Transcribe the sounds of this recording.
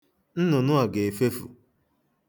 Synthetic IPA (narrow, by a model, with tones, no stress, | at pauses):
n̩˦nʊ˨nʊ˦a˨ɡe˨e˨fe˦fṵ˨